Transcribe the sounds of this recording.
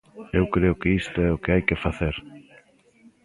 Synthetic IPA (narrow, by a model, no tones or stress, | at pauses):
ewkɾeʊkɪist̪ʊɛʊkeajkɪfaθeɾ